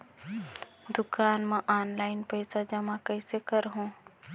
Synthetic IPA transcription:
d̪ʊkaːnmẽʔaːnlaɪnpəɪsad͡ʒəmãkəɪsekəɾɦũ

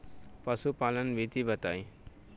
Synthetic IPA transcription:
pʌsupalənbʱit̪ibʌt̪aj

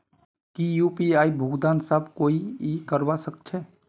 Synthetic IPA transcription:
kijuːpiaːibʱuɡd̪aːnsəbkoːiikəɾwasək̚t͡ʃʰɛː

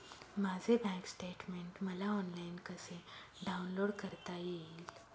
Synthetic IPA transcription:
mad͡zʱebʱɛ̃ŋksʈeʈmeɳʈməlaɔnlainkəse | ɖawnloːɽkəɾt̪ajiːl

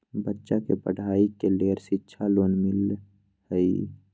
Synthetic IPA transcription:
bətːʃakepəɽ̤ʱaːikeleːɾsɪtːʃʰaloːnmɪl | həi

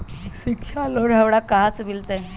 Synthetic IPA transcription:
ɕikɕaloɽɦəʋɽakaɦat͡sbilt̪e

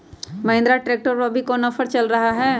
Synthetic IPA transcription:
mɐɦɪ̃nd̪ɾaʈɾeːk̚ʈəɾɐbʱikoːnɐfʰəɾt͡ʃɐlɾɐɦaɦɛː

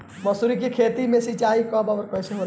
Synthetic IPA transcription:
məsuɾikekʰeːt̪imẽsit͡ʃaːɦikəbɐʋəɾkɔjseɦoɾ

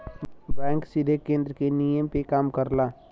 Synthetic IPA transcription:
bɛ̃ːŋksɪd̪ʱekẽːnd̪ɾəkenijəmpekaːmkəɾlaː

